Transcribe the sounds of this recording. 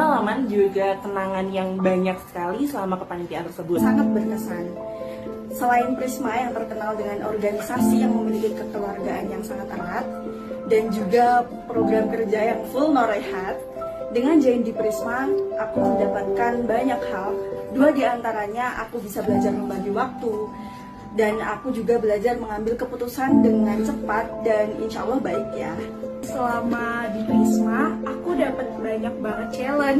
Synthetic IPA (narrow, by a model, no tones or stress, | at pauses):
əalamand͡ʒuɡakənaŋanjaŋbaɲak̚sə̥kalisəlamakəpanip̪iant̪ərsəbuʊt̪saŋat̪̚bərkəsan | səlaɪnpɾismajaŋt̪ərkənaldəŋanʔɔ̰rɡanisasijaŋməmilikɪkəkəluarɡaʔanjaŋsaŋat̪ə̰rat̪̚ | dand͡ʒuɡa | pɾoɡɾamkərd͡ʒajaŋfʊlnoɾehat̪̚ | dəŋand͡ʒaɪndipɾismaʔakuməndapat̪̚kanbaɲakhalduadiant̪aɾaɲaʔa̰kubisabəlad͡ʒarməmbaɡiwak̚t̪u | dana̰kud͡ʒuɡabəlad͡ʒarməŋambɪlkəput̪usandəŋant͡ʃəpat̪̚danḭnʃaalːahbaɪkjasəlamadipɾismaakudapat̪̚baɲak̚baŋət̪̚t͡ʃelən